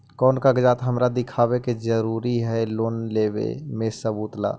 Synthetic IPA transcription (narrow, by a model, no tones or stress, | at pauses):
kɔːnkaɡd͡ʒaːt̪ɦəmɾad̪ɪkʰaːweked͡ʒəɾuːɾiɦɛloːnleːbḛmesəbuːt̪la̰ː